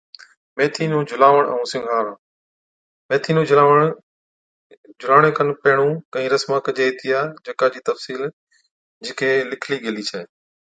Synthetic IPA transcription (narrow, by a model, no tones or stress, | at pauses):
meːt̪ʰiːnũːd͡ʒʱʊlaːʋəɽ̃ɛ̰̃ũːsɪ̃ŋɡʱaːɾãː | meːt̪ʰiːnũːʋəɳ | d͡ʒʱʊlaːɽ̃ẽːkənpeːɳ̃ũːkəĩːɾəsmaːkd͡ʒeːit̪ʰijaːd͡ʒəkaːd͡ʑiːt̪əfsiːl | d͡ʒɪkʰeːlɪkʰliːɡəliːt͡ʃʰəeː